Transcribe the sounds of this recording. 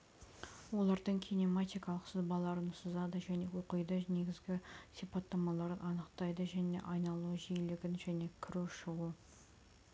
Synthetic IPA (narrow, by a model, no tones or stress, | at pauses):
wo̞lˠɑɾd̪əɴkʲʰinemɑt̪ijkɑlˠəqsəzbɑlˠɑɾənsəzɑd̪əʒæne̞woqəjd̪əne̞ɡʲɪzɡʲɪsipɑt̪ːɑmɑlˠɑɾənʔɑnəqt̪ɑjd̪əʒæne̞̰ʔɑjnɑlˠuʒijlɪɡʲɪnʒæne̞kʲʰɪɾuʃəʁə